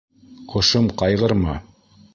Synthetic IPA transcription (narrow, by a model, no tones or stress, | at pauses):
qŏʃɤmqɑjʁɤ̆ɾmɑ